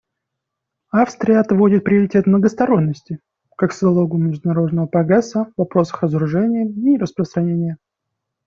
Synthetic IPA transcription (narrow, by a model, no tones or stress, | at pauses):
afst̪ɾʲɪjəɐt̪vo̞dʲɪt̪̚pɾʲɪəɾʲɪtʲe̞t̪mnəɡəst̪ɐɾo̞nʲːəsʲtʲɪ | kakszɐlˠo̞ɡʊmʲɪʐd̪ʊnɐɾo̞d̪nəvəpɾɐɡɾɛsːəvɐpɾo̞sə̥xrəzəɾʊʐɛnʲɪjəirəspɾəst̪ɾɐnʲenʲɪjə